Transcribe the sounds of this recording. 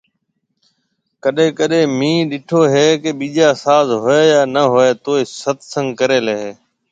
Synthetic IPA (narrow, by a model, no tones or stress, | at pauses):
kəɗẽːkəɗẽːmĩːɗɪʈʰoːɦeːkeɓiːʄaːsaːzɦoeːjaːnəɦoeːt̪oːiːsət̪sə̃ŋɡkəɾeːleːɦeː